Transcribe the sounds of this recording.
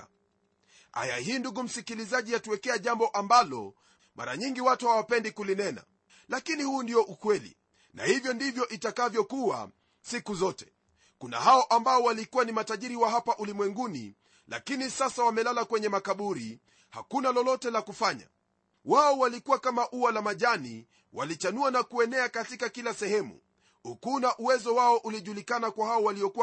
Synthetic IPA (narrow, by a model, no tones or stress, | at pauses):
ha̰ja̰hiːnduɡum̩sikilizaʄijatuwɛkɛaʄambɔʔambalɔ̰ | mʔa̰ɾa̰ɲiŋɡiwatuhawapɛndikulinɛna̰ | lakinihuːndijɔʔukwɛlḭ | na̰hivjɔndivjɔʔitakavjɔkuwa̰ | sikuzɔtɛ̥ | kuna̰haɔʔambaɔwalikuwanimataʄiɾiwaɦapaʔulimwɛŋɡunḭ | la̰kinisasawamɛlalakwɛɲɛmakaɓuɾi | ha̰kunalɔlɔtɛlakufaɲa̰ | waɔwalikuwakamaʔuwalamaʄani | wa̰lit͡ʃanuanakuɛnɛakatikakilasɛhɛmṵ | ukunaʔuwɛzɔwaɔʔuliʄulikanakwahaɔwaliɔkuwa